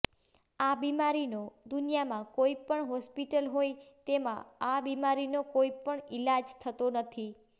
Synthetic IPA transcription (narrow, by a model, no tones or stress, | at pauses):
abimaɾinod̪unijamãkoipəɳɦɔspiʈəlɦojt̪emã̰abimaɾinokoipəɳɪlad͡ʒt̪ʰət̪onət̪ʰi